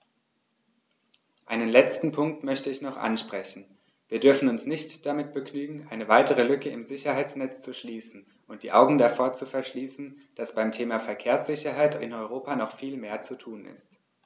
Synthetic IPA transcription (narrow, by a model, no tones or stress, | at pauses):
ʔaɪnənlɛt͡stn̩pʰʊŋk̚tmœçtəɪçnɔχʔa̰nʃpʁ̥ɛçn̩ | viːɐdʏɐfn̩ʊnsnɪçtd̥amɪt̚b̥əknyːɡŋ̩ʔaɪnəvaɪtəʁ̞əlʏkəɪmzɪçɐhaɪt͡snɛt͡st͡suʃliːsn̩ | ʔʊnt̚d̥iːʔaʊɡŋ̩dafoːɐt͡sufɛɐʃliːsn̩ | d̥asb̥aɪmtʰeːmafɛɐkʰeːɐsz̥ɪçɐɦaɪtɪ̰nɔʏʁ̞oːpanɔχfiːlmeːɐt͡sutʰuːnɪ̰st